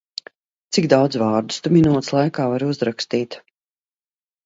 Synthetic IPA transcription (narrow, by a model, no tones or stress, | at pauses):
t̪siɡd̪awd̪zvɑːɾd̪u̥st̪uminuɔt̪slˠajkaːvaɾuzɾakst̪iːt̪